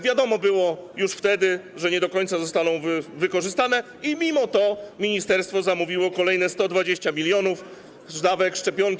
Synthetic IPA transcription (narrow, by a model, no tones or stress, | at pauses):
vʲjad̪ɔmɔbɘwɔjuʂft̪ɛd̪ɘʐɛɲɛd̪ɔkɔɲ̃t̪sazɔst̪anɔ̃w̃vvɘkɔʐɘst̪anɛ | imʲimɔt̪ɔmʲiɲist̪ɛɾst̪fɔzamuvʲiwɔkɔlɛjnɛst̪ɔd̪vad͡ʑeɕt͡ɕamʲilʲjɔnuf | ʐd̪avɛkʂt͡ʂɛpʲjɔŋkʲ